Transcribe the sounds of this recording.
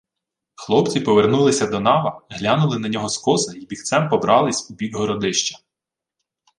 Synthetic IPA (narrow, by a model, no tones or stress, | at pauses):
xlˠɔpt͡sʲipɔʋernulˠɪsʲɐd̪ɔnɑʋɐɦlʲanʊlˠɪnɐnʲɔɦɔskɔsɐibʲixt̪sɛmpɔbɾʔɑlˠɪsʲubʲiɡɦɔɾɔd̪ɪʃt͡ʃɐ̥